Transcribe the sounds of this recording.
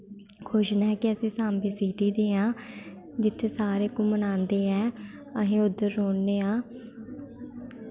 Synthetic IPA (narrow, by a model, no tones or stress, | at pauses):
kʰoːʃnaɛːkɪəsĩːsãːmbiːsiːʈiːd̪eːãː | d͡ʒɪt̪ʰːeːsaːɾeːkũːmənãːnd̪eːɛː | əɦẽːʊd̪ːəɾːoːnːeːãː